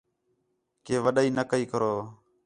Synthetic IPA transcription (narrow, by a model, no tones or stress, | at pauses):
keːʋəɗaiːnəkəiːkəɾoː